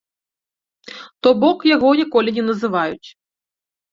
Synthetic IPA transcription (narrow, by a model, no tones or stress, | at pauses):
t̪ɔbɔkjaɣɔnʲikɔlʲinʲɛnɐzɨvajut͡sʲ